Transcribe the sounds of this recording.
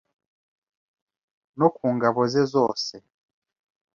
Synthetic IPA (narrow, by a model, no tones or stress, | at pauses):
nokuːŋɡaβozezoːse